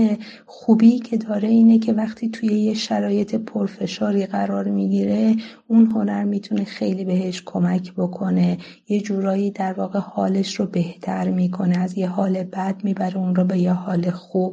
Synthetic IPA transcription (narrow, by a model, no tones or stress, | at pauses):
e | xuːbiːcʰe̞d̪ɒːɾe̞iːne̞cʰe̞væxt̪ʰiːt̪ʰuje̞jeʃæɾɒːje̞t̪ʰe̞pʰoɾfe̞ʃɒːɾiːɣæɾɒːɾmiɟiːɾe̞ | unɦo̞næɾmiːt̪ʰune̞xe̞jliːbe̞ɦeʃkʰo̞mæcʰbo̞kʰo̞ne̞ | je̞d͡ʒuːɾɒːjiːd̪æɾvɒːɣehɒːle̞ʃrobe̞ht̪ʰæɾmiːkʰo̞neæzjeɦɒːle̞bæd̪̥̚miːbæɾeunɾɔːbe̞jehɒːle̞xuːb̥̚